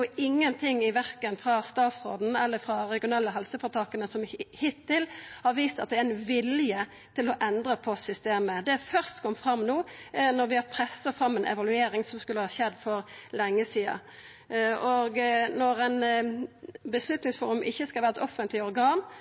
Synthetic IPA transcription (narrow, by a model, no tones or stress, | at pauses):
ʊɪŋːənt̪ʰɪŋːɪʋæɾkənfɾɑst̪ɑːt̪sʁo̰ːd̪n̩ɛlːəfɾɑɾɛɡɪʊnɛlːəɦɛlsəfɔɾt̪ʰɑːkənəsɔmhɪt̪ʰːɪlhɑɾʋiːst̪ɑt̪̚d̪ɛɾɛɪnʋɪljə | t̪ʰɪlɔʔɛnd̪ɾəpʰɔsʏst̪eːməd̪ɛfœɾst̪kʰɔmːfɾɑmːnuːnɔɾʋɪhɑpʰɾɛsːɑfɾɑmːɛnʔɛ̰ʋɑlʉeːɾɪŋsɔmskʉlːəhɑːɕɛd̪fɔɾlɛŋːəsiːɑ̰ | ɔɡnɔɾæɪn | bəslʉt̪nɪŋsfuːɾʉmʔɪçːəskɑlʋæːɾɛt̪ɔfənt̪lɪɔɾɡɑːn